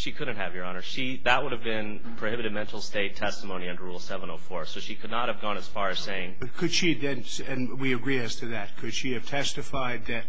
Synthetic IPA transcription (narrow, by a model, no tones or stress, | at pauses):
ʃikʰʊdⁿn̩t̚hɨvjə˞ɑnə˞ʃi | ðəʔ̚wʊɾɨvbɪ̃n | pʰɹ̥ohɪbɨɾɨd̚mɛ̃ntˡl̩ˠsteɪtʰɛstəmõʊ̃niʌ̃ndə˞ɹulˠsɛvə̃noʊfɔɹsoʊʃikʰɨdⁿnət̚hɨvɡɔ̃ñɨz̥fɑɹɨz̥seɪɪ̃ŋ | kʰɨd̥ʃiðɨ̃n | ɨ̃nwiɨɡɹiɨstʰɨðɨt̚kʰɨd̥ʃiɨv̥tʰɛstɨfaɪd̪̚ðɨt̚